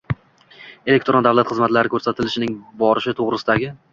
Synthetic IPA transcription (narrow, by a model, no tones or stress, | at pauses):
e̞le̞k̚ʲt̪ɾond̪avlˠat̪χɨzmat̪laɾɪkʰɵɾsat̪ʰɪlɪʃɪnɪŋbɒɾɪʃɪt̪ʰoʁɾɪsɪd̪aɡʲɪ